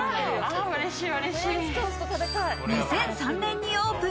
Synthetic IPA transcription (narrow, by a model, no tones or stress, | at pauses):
aɯɾeɕiːɯɾeɕiːst̪oːsɨ̥t̪ot̪at̪akaɯɲisẽsãnnẽɲ̟ːĩoːpɯ̟